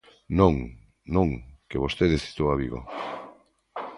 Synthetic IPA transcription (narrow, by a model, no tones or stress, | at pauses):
nõŋ | nõŋkeβost̪eðesi̥t̪owaβiɣo̰